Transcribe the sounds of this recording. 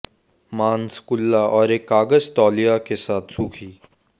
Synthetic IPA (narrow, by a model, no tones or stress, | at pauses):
maːnskʊlːaʔɔːɾeːkːaːɡəzt̪ɔːlijakesaːt̪ʰsuːkʰiː